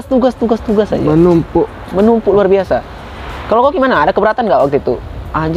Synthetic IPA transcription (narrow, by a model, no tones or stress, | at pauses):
st̪uɡast̪uɡast̪uɡasa̰d͡ʒaənumpʊʔ | mənumpuluarbiasa | kalowkaɡimanaːdakəbəɾat̪anɡaʔwak̚t̪uit̪ṵʔaɲd͡ʒ